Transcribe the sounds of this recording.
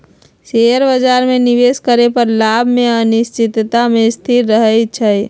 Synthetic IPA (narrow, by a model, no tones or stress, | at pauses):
seɦəɾbəd͡ʒaːɾmẽnɪʋeːskəɾepəɾlabʱmẽənɪst͡ʃɪt̪t̪amẽst̪ʰɪɾɾəɦət͡ʃʰə